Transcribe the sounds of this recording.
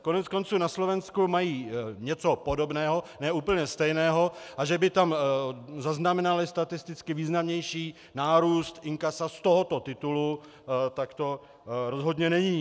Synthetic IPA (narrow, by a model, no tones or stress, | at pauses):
ko̞nɛt͡sko̞nt͡suːnaslo̞vɛnskumajiːɲɛt͡so̞po̞do̞bnɛːɦo̞nɛːʔuːpl̩ɲɛst̪ɛjnɛːɦo̞ʔaʒɛbɪt̪amzaznamɛnalɪst̪at̪ɪst̪ɪt͡skɪviːznamɲɛjʃiː | naːɾuːst̪ɪŋkasast̪oɦot̪o̞t̪ɪt̪ulu | t̪akt̪o̞ | ɾo̞zɦo̞d̪ɲɛnɛɲiː